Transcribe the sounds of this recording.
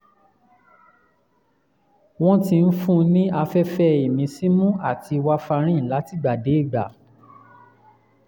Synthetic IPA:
w̃ɔ̃˦ti˧n̩˦fũ˦nĩ˦a˧fɛ˦fɛ˦e˨mĩ˧si˦mũ˦a˦˨ti˧wa˦fa˧ɾ̃ĩ˦n̩˨la˨˦ti˦˨ɡ͡ba˨de˨˦i˦˨ɡ͡ba̰˨

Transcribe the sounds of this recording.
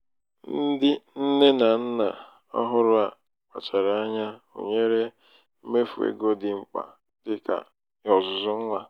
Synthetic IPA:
n̩˦dɪ˦n̩˦ne˦na˨n̩˦na˨ | ɔ̰˦ɦʊ˦ɾʊ˦a˨ | k͡pa̰˨t͡ʃa˨ɾa˨a˦ɲa˦o̰˨ɲe˦ɾe˦ | m̩˦me˦fu˨ḛ˨ɡo˦dɪ˨ŋ͡m̩˦k͡pa̰˨ | tɪ˦ka̰˨ | ɔ˨zʊ˨zʊ˦ŋ̩˦ŋa˦

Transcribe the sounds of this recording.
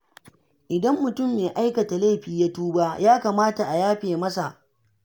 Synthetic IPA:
ʔɪ˨dɐ˦mːʊ˨tʊ˦˨mːeː˨ʔa˦jkɐ˨ta˨le˦˨ɸiː˨ja˦tuː˦baː˦jaː˦kaː˨maː˦ta˨ʔa˨jaː˦ɸeː˨mɐ˦sa˨ʔ

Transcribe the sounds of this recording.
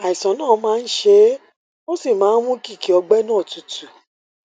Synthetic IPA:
a˨i˨sɔ̃˨˦nãː˦˨˦mãː˦n̩˦ʃe˧˦ | o˦si˦˨mãː˨˦n̩˦mũ˦ki˦˨ki˨ɔ˧ɡ͡bɛ˦nãː˦˨tu˨˦tu˨

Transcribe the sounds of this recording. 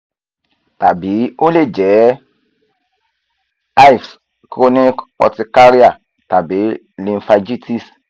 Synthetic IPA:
ta˨bi˨˦o˦le˦˨d͡ʒɛ˨˦ | a˦i˨fs | kɾo˦ni˦kɔ̰˧ti˧ka˦ɾi˦a˦˨ | ta˨bi˨˦ | lĩ˧˦fa˧d͡ʒi˦ti˦s

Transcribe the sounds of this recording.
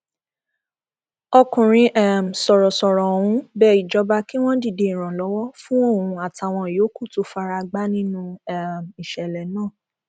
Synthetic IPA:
ɔ˧kũ˨ɾ̃ĩ˧ʔɛ˨m̩˨sɔ˨ɾɔ˨sɔ˨ɾɔ˨wũ˧˦bɛ˧˦i˨d͡ʒɔ˧˦ba˦ki˦w̃ɔ̃˦di˦˨de˨i˨ɾ̃ã˨lɔ˨˦wɔ˦fũ˦o˦˨ũ˧˦a˨ta˨w̃ɔ̃˧˨jo˨˦ku˦˨to˧fa˧ɾa˧ɡ͡ba˦nĩ˦nũ˦ɛ˨m˨i˨ʃɛ˨lɛ˨nãː˦˨

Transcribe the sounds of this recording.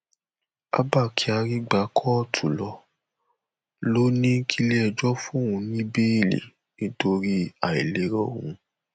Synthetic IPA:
a̰˦ba˦˨kʰi˧˦a˧ɾi˦ɡ͡ba˧kʰɔ˦ɔ˦˨tʰu˨lɔ˧˦ | lo˦nĩ˦kʰi˦le˦ɛ˧d͡ʒɔ˦fũ˦ũ˧nĩ˦be˦i˦˨lḛ˨ | e˦to˧ɾi˦a˨i˨le˨˦ɾɔ̃˦˨ũ˧

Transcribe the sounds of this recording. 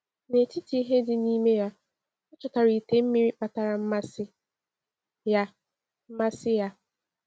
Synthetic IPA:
ne˨tʰi˦tʰi˨i˦ɦe˦dɪ˦niː˦me˦ja˦ | ɔ˦t͡ʃʊ˨ta˨ɾi˨te˨˦m̩˦mi˦ɾi˦k͡pa˨ta˨ɾa˨m̩˦ma˦sɪ˦ | ja˦ | m̩˦ma˦sɪ˦ja˦

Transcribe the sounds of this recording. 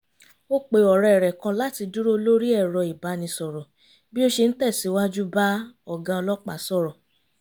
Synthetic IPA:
o˦k͡pe˧ɔ˨ɾɛ˧˨ɛ˨ɾɛ˨kã˧la˦ti˧du˦ɾo˦lo˦ɾi˦ɛ˦˨ɾɔ˨˧i˨ba˨˦nĩ˧sɔ˨ɾɔ˨ | bi˦o˦ʃe˧n̩˦tɛ˦˨si˨˦wa˦d͡ʒu˦ba˦ɔ˨ɡã˧ɔ˧lɔ˦k͡pa̰˦˨sɔ˦˨ɾɔ˨

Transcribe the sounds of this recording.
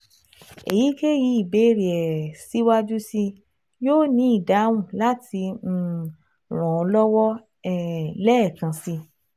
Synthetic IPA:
ḛ˨ji˨˦ke˦ji˧˦i˨be˨˦ɾi˨ɛ˨si˨˦wa˦d͡ʒu˦si˧ | joː˦˨nĩ˨˦i˦˨da˨˦w̃ũ˦˨la˦tĩ˧˨ | ɾ̃ɔ̃˨ɔ˧lɔ˦wɔ˦ | ɛ˦˨lɛ˦ɛ˦˨kã˧si˧

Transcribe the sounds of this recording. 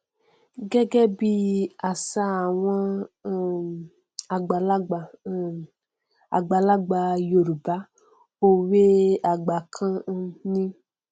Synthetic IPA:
ɡɛ˦ɡɛ˦bi˦a˨sa˦a˨wã˦ | a˨ɡ͡ba˨la˦ɡ͡b | a̰˨ɡ͡ba˨la˦ɡ͡ba˨jo˨ɾba˦ | o˦we˦a˨ɡ͡ba˨kʰã˦nĩ˦

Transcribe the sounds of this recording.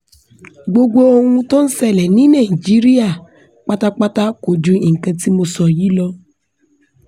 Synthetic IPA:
ɡ͡bo˧ɡo˦o˦ŋũ˧tɔ̃˦n̩˦sɛ˦lɛ˨nĩ˨˦na˦˨i˨d͡ʒi˦ɾi˦a˦˨ | k͡pa˦ta˦k͡pa˦ta˦ko˨d͡ʒu˧i˨ŋ̩˨kə̃˧ti˦mo˧sɔ˨ji˦lɔ˧

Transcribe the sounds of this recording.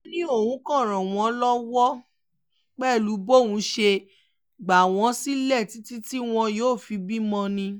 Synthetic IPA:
nĩ˦o˦˨wũ˨˦kɔ̃˦˨ɾ̃ɔ̃˨w̃ɔ̃˧˦lɔ˦wɔ˦ | k͡pɛ˦˨lu˨˦bo˦˨wũ˨˧˦ʃe˧ | ɡ͡ba˨w̃ɔ̃˧˦si˦lɛ˦˨ti˨˦ti˦ti˦w̃ɔ̃˧joː˦˨fi˧bi˦mɔ̃˧nĩ˧

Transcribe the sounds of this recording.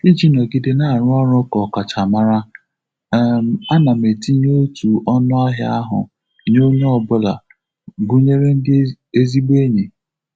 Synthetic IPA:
i˦d͡ʒi˦nɔ˨ɡi˨de˦na˦˨a˨ɾʊ˦a˦ɾɔ˦kɔ˨ka˨t͡ʃa˨ma˦ɾa˦ | m˨a˦na˨me˨ti˦ɲ˦o˦tʰu˨ʔɔ˦nʊ˦a˦ɦɪ˦a˦ɦʊ̰˨ | ɲo˦ɲe˦ɔ˦bʊ˦la̰˨ | ɡu˦ɲe˦ɾe˦n̩˦d | e˦zi˦ɡ͡be˦ɲe˨

